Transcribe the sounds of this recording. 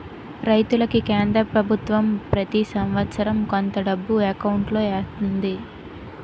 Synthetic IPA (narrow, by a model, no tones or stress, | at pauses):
ɾɐjt̪ulɐkikeːnd̪ɾɐpɾɐbʱut̪ʋɐmpɾɐt̪isɐmʋɐt̪sɐɾɐmkont̪ɐɖɐbːuekɐwɳʈloːeːst̪und̪i